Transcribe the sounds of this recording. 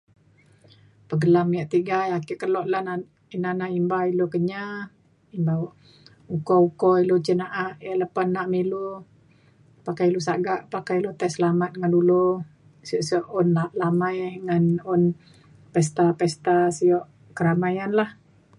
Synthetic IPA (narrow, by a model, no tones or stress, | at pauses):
pəɡəlamjaʔt̪iɡajakiʔkəlɔʔlan | inanaimbailukəɲa | imbaʔ | ukɔukɔilut͡ʃinaʔaʔjaʔləpanːaʔmilu | pakajilusaɡaʔpakajilut̪ajsəlamat̪̚ŋandulu | siɔʔsiɔʔonlalamajŋanun | pɛst̪apɛst̪asiɔʔ | kəɾamajanlah